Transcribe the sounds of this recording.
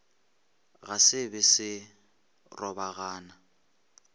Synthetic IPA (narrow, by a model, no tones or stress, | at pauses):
ɣasɪbɪsɪ | rɔbaɣaːna